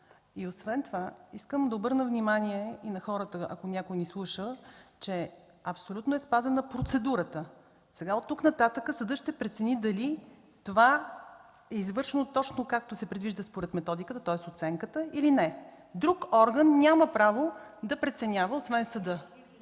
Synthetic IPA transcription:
iosvɛnt̪ovaiskəmd̪ɐobɤɾnəvnimaniɛinɐxɔɾət̪əʔɐ̰konʲakojnislˠuʃət͡ʃɛ | ɐpsolʲut̪noɛspazɛnɐəpɾot̪sɛd̪uɾət̪ə | sɛɡaot̪ːuknɐt̪at̪əkəsəd̪əʃt̪ɛpɾɛt̪sɛnid̪ɐli | t̪ova | ɛizvɤɾʃɛnot̪ɔt͡ʃnokak̚t̪osɛpɾɛd̪viʒd̪əspoɾɛt̪mɛt̪ɔd̪ikət̪ət̪ɔɛsot̪sɛŋkət̪əilinɛ | d̪ɾukɔɾɡənːʲaməpɾavod̪ɐpɾɛt̪sɛnʲavəosvɛnsɐd̪ɤ

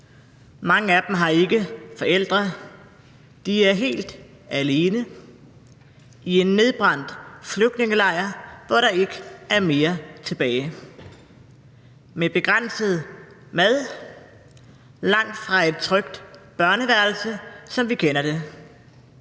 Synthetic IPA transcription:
mɑ̈ŋəæd̥m̩ɦɑ̈e̝ɡ̥əfɒ̽el̰d̥ʁɐ | d̥iæɐɦe̝̰ːld̥ | æle̝ːnə | ie̝nːe̝ðˠb̥ʁɑ̈n̰d̥fløɡ̥̚d̥ne̝ŋəlɑ̈ɪ̰ɐʋɒɾ̥ɑ̈e̝ɡ̥əæɐme̝ːɐt͡sʰe̝b̥ɛːɪ | meb̥e̝ɡ̥ʁan̰səð̞̩ˠ | mæðˠ | lɑ̈ŋ̰d̥fʁɑ̈e̝d̥̚t͡sʰʁœɡ̥d̥b̥ɶɐnəʋæɐl̩səsɒ̽mʋikʰenɐd̥e̝

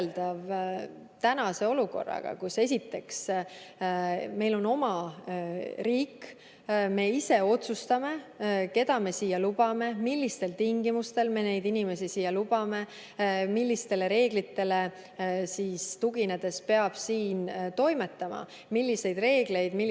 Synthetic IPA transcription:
ld̪̥ɑv | t̪ænɑse̞o̞luko̞̰rːɑ̰ɡ̥ɑ̰kuse̞s̬ʲit̪ːe̞ks | me̞jlo̞no̞mɑ | ɾiːk | me̞ise̞o̞t̪sust̪ɑme̞ke̞d̪̥ɑme̞siːjɑlub̥ɑme̞milːist̪e̞lt̪iŋɡimust̪e̞lme̞ne̞jd̪inime̞sisiːjɑlub̥ɑme̞ | milːist̪e̞le̞ɾe̞ːɡ̥lit̪ːe̞le̞ | siːst̪uɡ̥ine̞d̪̥e̞spe̞ɑb̥siːnt̪o̞jme̞t̪ːˑɑmɑ̰ | milʲːise̞jd̪re̞ːɡ̥le̞jd̪̥mi

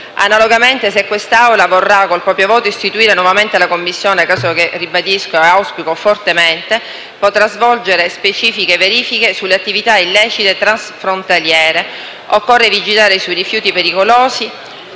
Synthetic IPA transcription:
a̰naloɡament̪es̬ekːwest̪aawlavorːakolpɾɔːpɾjovoːt̪oist̪it̪uiːɾenwɔvament̪elakomːisːjoːneakaːsokerːibad̪iskoeawspikofort̪ement̪e | pot̪ɾazvɔld͡ʒeɾespet͡ʃiːfikeveɾiːfikesulːeat̪ːivit̪ailːɛːt͡ʃit̪et̪ɾansfɾont̪aljɛːɾe | okːorːevid͡ʒilaːɾesujrifjuːt̪ipeɾikoloːsi

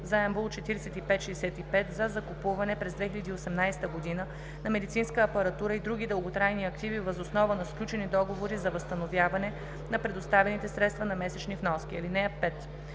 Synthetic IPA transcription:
zɐɛmbulˠt͡ʃɛt̪iɾɛsɛt̪ipɛt̪ʃɛjsɛt̪ipɛt̪zɐzɐkupuvɐnɛpɾɛzd̪vɛxilʲɐd̪iːosɛmnajsɛt̪əɡod̪inə | nɐmɛd̪it̪sinskəːpɐɾɐt̪uɾəid̪ɾuɡ̟ʲid̪əlˠɡot̪ɾajniɐkt̪ivivəzosnɔvənɐsklʲut͡ʃɛnid̪ɔɡovoɾizɐvəst̪ɐnovjavɐnɛ | nɐpɾɛd̪ost̪avɛnit̪ɛsɾɛt̪st̪vɐnɐmɛsɛt͡ʃnifnɔskʲiɛlinɛɐpɛt̪

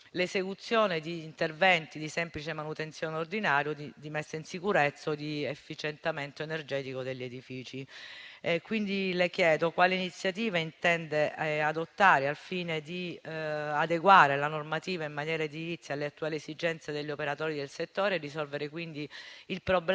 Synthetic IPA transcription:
lezekut̪sːjoːned̪iːnt̪ervɛnt̪id̪isɛmplit͡ʃemanut̪ent̪sjoːneord̪inaːɾjod̪id̪imɛsːainsikuɾet̪sːod̪iefːit͡ʃent̪ament̪oenerd͡ʒɛːt̪ikod̪eʎːed̪ifiːt͡ʃi | kwind̪ilekjɛːd̪okwaːleinit̪sːjat̪iːvaint̪ɛnd̪ead̪ot̪ːaːɾealfiːned̪i | ad̪eɡwaːɾelanormat̪iːvaimːanjɛːɾad̪ivit̪sːialːeat̪ːuaːliesid͡ʒɛnt̪sed̪eʎːopeɾat̪ɔːɾid̪elset̪ːoːɾeːrisɔlveɾekwind̪iilpɾobl

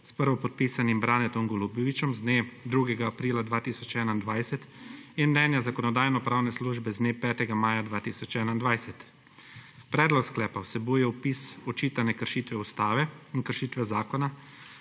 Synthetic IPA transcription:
spəɾʋɔpɔt̪̚piːsanimbɾaːnɛt̪ɔŋɡɔlubjɔʋit͡ʃɛmzd̪neːd̪ɾuːɡɛɡaːpɾiːlad̪ʋaːt̪isɔt͡ʃɛːnaind̪ʋajsɛt̪inmnɛːnjazakɔnɔd̪aːjnɔpɾaːwnɛsluːʒbɛzd̪neːpɛːt̪ɛɡamaːjad̪ʋaːt̪iːsɔt͡ʃɛːnaind̪ʋajsɛt̪ | pɾɛːd̪lɔksklɛːpawsɛbuːjɛupisɔt͡ʃiːt̪anɛkəɾʃiːt̪ʋɛust̪aːʋɛinkəɾʃiːt̪ʋɛzaːkɔna

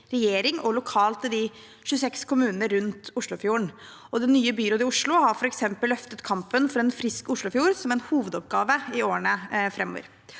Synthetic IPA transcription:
ɾɛjeːɾɪŋʔɔlʊkʰɑːlt̪əd̪ɪ | ʃʉːsɛkskʰʊmʉːnəɾɾʉnt̪ʊʂɭʊfjuːəɳ | ɔd̪ɛnːyːəbʏɾoːd̪ɪʊʂɭʊɦɑɾfɔɾɛksɛmpəlːœft̪ət̪kʰɑmpənfɔɾɛnfɾɪskʊʂɭʊfjuːɾsɔmɛnhuːʋəd̪ɔpɡɑːʋəɪoːəɳəfɾɛmːɔ̰ʋə̰ɾ

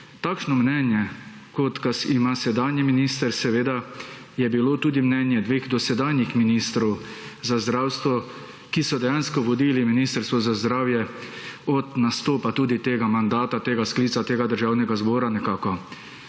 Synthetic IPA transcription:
t̪aːkʃnɔmnɛnjɛ | kɔt̪kasimasɛd̪aːnjiminiːst̪əɾsɛʋeːd̪a | jɛbilot̪uːd̪imnɛnjɛd̪ʋeːɣd̪ɔsɛd̪aːnjixminiːst̪ɾɔw | zazd̪ɾaːwst̪ʋɔ | kisɔd̪ɛjaːnskɔʋɔd̪iːliminiːst̪əɾst̪ʋɔzazd̪ɾaːwjɛ | ɔt̪nast̪oːpat̪uːd̪it̪eːɡamand̪aːt̪at̪eːɡaskliːt̪sat̪eːɡad̪əɾʒaːwnɛɡazbɔːɾanɛkaːkɔ

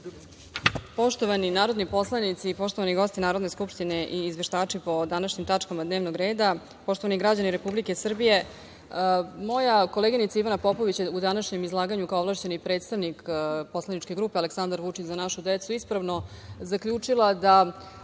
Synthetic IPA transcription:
po̞ʃt̪oʋaninaːɾo̞d̪nipo̞slˠanit̪sipo̞ʃt̪o̞ʋaniɡo̞st̪inaːɾo̞d̪ne̞skupʃt̪ine̞ʔiːzʋe̞ʃt̪aːt͡ʂipo̞d̪anaʃɲimt̪at͡ʂkamad̪ne̞ːʋnoɡɾe̞ːd̪a | po̞ʃt̪oaniɡɾad͡ʑaniɾe̞publike̞sr̩bije̞ | mo̞jako̞leːɡinit̪saiʋanapo̞po̞ʋit͡ɕjeud̪anaʃɲe̞mizlˠaːɡaɲukaoʋlˠaːʃt͡ɕe̞nipɾe̞t̪st̪aʋnikpo̞slˠanit͡ʃke̞ɡɾuːpeale̞ksand̪aɾʋut͡ʂit͡ɕzanaʃud̪et̪suispɾaʋno̞zakʎʲuːt͡ʂilˠad̪a

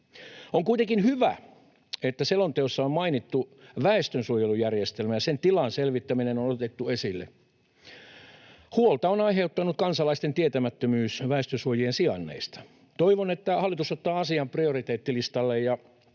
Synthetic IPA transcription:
oŋkuit̪eŋkinhyʋæ̰ | et̪ːæselont̪eosːɑommɑinit̪ːuʋæest̪ønsuojelujærjest̪elmæjɑsent̪ilɑnselʋit̪ːæminenonot̪et̪ːuesilːḛ | huolt̪ɑonɑiɦeut̪ːɑnut̪̚kɑnsɑlɑist̪ent̪iet̪æmæt̪ːømyːsʋæest̪ønsuojiensiɑnːḛist̪ɑ̥ | t̪oiʋonet̪ːæhɑlːit̪usot̪ːɑːɑsiɑmpriorit̪eːt̪ːilist̪ɑlːejjɑ

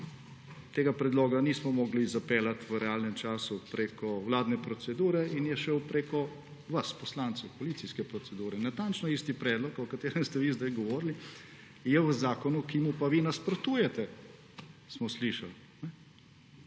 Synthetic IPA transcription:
t̪eːɡapɾɛd̪loːɡaniːsmɔmɔːɡlizapeːlat̪ʋəɾɛaːlnɛmt͡ʃaːsupɾeːkɔwlaːd̪nɛpɾɔt̪sɛd̪uːɾɛinjɛʃəwpɾeːkɔ | ʋaspɔslant̪sɛwpɔliːt̪iskɛpɾɔt̪sɛd̪uːɾɛnat̪ant͡ʃnɔiːst̪ipɾɛːd̪lɔkɔkat̪eːɾɛmst̪ɛʋizd̪ajɡɔʋɔːɾli | jɛwəzaːkɔnukimupaʋinaspɾɔt̪uːjɛt̪ɛ | smɔsliːʃal | nɛ

